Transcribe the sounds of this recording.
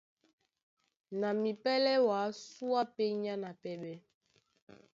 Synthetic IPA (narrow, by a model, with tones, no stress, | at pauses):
na˨mi˨pɛ˦lɛ˦wa˨˦su˦a˦pe˦ɲa˦na˨pɛ˦ɓɛ˦